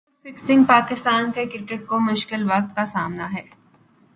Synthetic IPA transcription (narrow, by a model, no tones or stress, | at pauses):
fɪksɪ̃ŋɡ̚paːkɪst̪aːnkekɪɾɪkeʈ̚komʊʃkɪlʋɐq̚t̪kasaːmnaɦɛː